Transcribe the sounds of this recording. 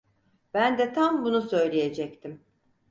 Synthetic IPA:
b̥ænd̪ɛt̪ʰambunusø̞jlʲeje̞d͡ʒɛct̪ʰim

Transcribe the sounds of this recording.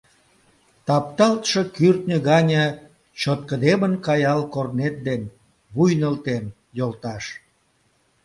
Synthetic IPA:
t̪ɑp̚t̪ɑlt̪ʃəkyrt̪nʲəɣɑnʲə | t͡ɕot̪̚kəd̪emənkɑjɑlkornet̪̚d̪en | βujnəlt̪en | jolt̪ɑʃ

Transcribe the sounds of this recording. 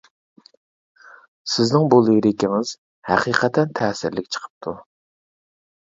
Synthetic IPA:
sɪznɪŋbolˠɨjɾɪkʲiŋɪz̥ | hæqʰiqʰət̪ʰɛnt̪ʰɛːsɪɾlɪkʲt͡ʃʰə̥qʰə̥p̚t̪ʰu

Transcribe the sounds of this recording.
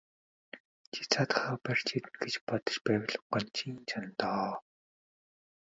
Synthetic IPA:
t͡ɕʰi̥t͡sʰat̪χɔːpær̥ʲt͡ɕʰet̪ɘ̆nɡet͡ɕpɔt̪ɞ̥̆t͡ɕpæːw̆ʲɮɞ̆ɢɔnt͡ɕʰiːnt͡ɕʰant̪ɔː

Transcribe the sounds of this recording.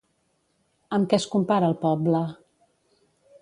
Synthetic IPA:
əmkɛskumpaɾəlˠpɔblə

